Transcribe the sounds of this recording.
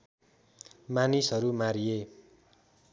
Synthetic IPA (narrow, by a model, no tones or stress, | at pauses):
manisɦʌɾumaɾije